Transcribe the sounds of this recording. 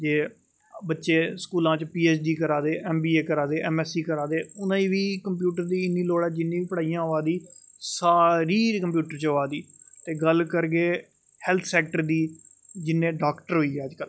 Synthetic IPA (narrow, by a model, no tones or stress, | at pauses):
d͡ʒeː | bətːʃeːskuːlãːt͡ʃpiːeːt͡ʃɖiːkəɾaːd̪eːʔɛːmbiːeːkəɾaːd̪eːʔɛːmɛːsiːkəɾaːd̪eːʊnãːĩːʋiːkəmp̬juːʈəɾd̪iːɪnːiːloːɽɛːd͡ʒɪnːĩːʋiːpəɽaːijãːɦoaːd̪iː | saːɾiːkəmp̬juːʈəɾt͡ʃɦoʋaːd̪iːt̪eːɡəlkəɾɡeː | hɛːlt̪ʰsɛːk̚ʈəɾd̪iːd͡ʒɪnːẽːɖaːkʈəɾɦoːiːɛːəd͡ʒkəl